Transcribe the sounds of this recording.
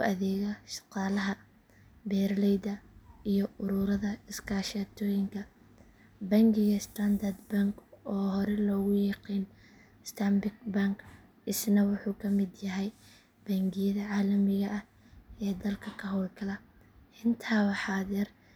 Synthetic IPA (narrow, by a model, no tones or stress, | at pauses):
ʊʔɐðɛːɣɐʃɑ̥qɑːlɐɦɐ | bɛːrlɛjd̪ɐijɔʊɾʊːɾɐðɐɪskʰaːʃaːt̪ʰɔːjɪŋkʰɐ | bɐŋɡɪɣɐst̪ʰand̪ɐrd̪baŋkɔːɦɔɾɛlɔːɣʊjɑqiːn | ɪst̪ʰɐmbɪɡ̚baŋk | ɪsnɐwʊħuːkʰɐmɪd̪jɐɦɛj | b̥ɐŋɡɪjɐðɐʕaːlɐmɪɣɐʔɐh | ɛːd̪ɐlkʰɐkʰɐɦɔːlkʰɐlɐ | ʔɪnt̪ʰaːwɑħɑːðɪr